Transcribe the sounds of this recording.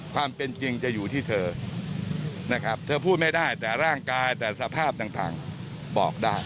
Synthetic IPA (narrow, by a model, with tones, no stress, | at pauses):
kʰwaː˧mpe˧nt͡ɕi˧ŋt͡ɕa˨˩juː˨˩t̪ʰiː˥˩t̪ʰɤː˧ | na˦˥kʰa˦˥p̚t̪ʰɤː˧pʰuː˥˩t̪̚ma˥˩jdaː˥˩jt̪ɛː˨˩ɾaː˥˩ŋkaː˧jt̪ɛː˨˩sa˧pʰaː˥˩p̚t̪aː˨˩ŋt̪a̰ː˨˩ŋ | bɔː˨˩k̚daː˥˩j